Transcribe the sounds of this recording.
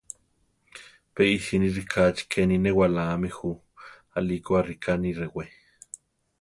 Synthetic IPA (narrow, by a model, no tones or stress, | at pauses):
peisiniɾikʰat͡ʃi̥kʰeninewalaːmixu | alikoaɾikʰaniɾewe